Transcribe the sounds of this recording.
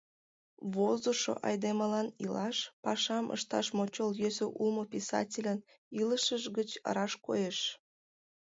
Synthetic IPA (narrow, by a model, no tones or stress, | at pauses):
βozoʃo̰ʔɑ̰jd̪eməlɑnilɑʃpɑʃɑmʔə̰ʃt̪ɑ̰ʃmot͡ɕoljøsøʔulmopisɑ̰tʲilʲən | iləʃəʒɣət͡ɕə̰ɾɑʃkojeʃ